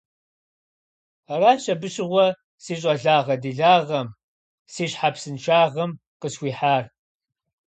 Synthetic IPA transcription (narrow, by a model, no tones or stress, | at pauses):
raːɕɐbɨɕɪʁʷɔ | siːɕʼɐɮaːʁɐdiɮaːʁɐm | siːɕħapsɨnt͡ʃʰaːʁɐm | qəsxʷiːħaːr